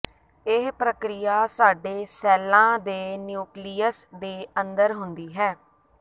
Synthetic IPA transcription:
ɪɦpɾəkɾɪjaːsaːɖeːsɛːlãːd̪eːnjuːkliːəsd̪eːənd̪əɾɦʊnd̪iːɦɛː

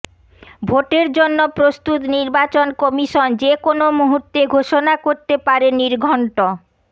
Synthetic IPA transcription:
bʱoʈeɾd͡ʑonːopɾost̪ut̪niɾbat͡ɕonkɔmiʃond͡ʑekonomuɦuɾt̪eɡʱoʃonakoɾt̪epaɾeniɾɡʱɔɳʈo

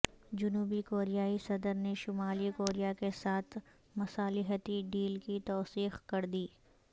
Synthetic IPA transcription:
d͡ʒʊnuːbikoːɾijaːisɐd̪əɾneʃʊmaːlikoːɾijakesaːt̪ʰ | mʊsaːlɪɦət̪iɖiːlkit̪ɔːsiːxkɐɾd̪iː

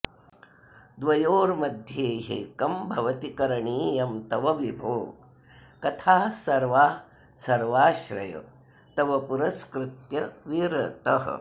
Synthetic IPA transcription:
d̪ʋɐjoːɾmɐd̪ʱjeːɦḛkɐmbʱɐʋɐt̪ikɐɾɐɳiːjɐmt̪ɐʋɐʋibʱoːɡ | kɐt̪ʰaːsɐɾʋaː | sɐɾʋaːʃɾɐ̰jɐ̰ | t̪ɐʋɐpuɾɐskɾut̪jɐʋiːɾɐt̪ɐɦɐ̰

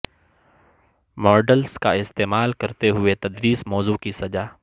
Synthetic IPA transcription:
mɔːɾɖəlskaɪst̪eːmaːlkɐɾt̪eɦʊet̪ɐd̪ɾiːsmɔːzukisɐd͡ʒaː

